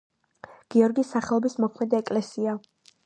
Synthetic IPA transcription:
ɡ̥iɔɾɡisaχɛlˠɔbismɔkʰmɛd̪iɛkʼlɛsia

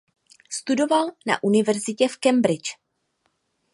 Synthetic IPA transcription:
st̪udo̞valna̰ʔunɪvɛɾzɪcɛfkɛmbɾɪt͡ʃ

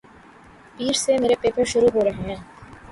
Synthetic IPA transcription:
piːɾsemeːɾepeːpəɾʃʊɾuɦoːɾɐɦeɦɛ̃ː

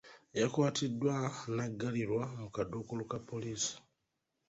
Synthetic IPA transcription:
jakwaːtidːwanaɡːaliɾwamukadukulukapːo̞liːsi̥

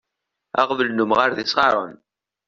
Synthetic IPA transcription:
ɑ̰ʁvəlnʊmʁaɾðisʁɑɾˤə̰n

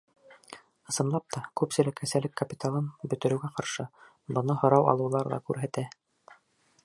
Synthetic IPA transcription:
ɤ̆sɤ̆nlˠɑp̚t̪ʰɑkʉpsɘ̆lɘkʰːæsælɘkːɐpʲit̪alˠɤnbɵ̆t̪ɘ̆ɾɘ̆wɡæqɑɾʃɤ | bɤ̆nɤhŏɾɑwɑ̰lˠɤ̆wlˠɑɾðˠɑ̰kʉɾɦæt̪æ

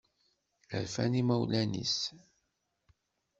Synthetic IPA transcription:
ə̰ɾfæ̰nimæwlænḭs

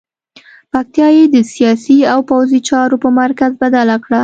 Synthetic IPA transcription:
pak̚t̪jɑjed̪əsijɑsiawpawzit͡ʃɑɾopəmaɾkazbad̪alakɽa

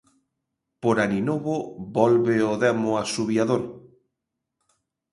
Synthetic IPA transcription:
poɾaninoβobɔlβeoðɛmʊasuβjaðoɾ

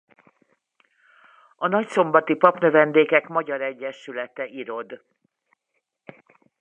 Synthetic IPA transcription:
ɒnɒcso̞mbɒt̪ipɒpnøvɛnd̪eːkɛkmɒɟɒɾɛɟːɛʃylɛt̪ɛʔiɾo̞d̪

